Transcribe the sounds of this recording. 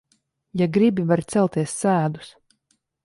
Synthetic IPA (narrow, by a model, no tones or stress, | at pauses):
jaɡɾibivaɾt̪sɛlˠt̪iɛsːæːd̪u̥s